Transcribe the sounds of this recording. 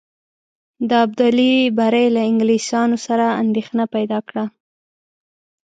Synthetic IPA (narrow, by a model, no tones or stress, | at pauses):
d̪əabd̪alibaɾajlaɪŋɡlisɑnosaɾaand̪exnapajd̪ɑkɽa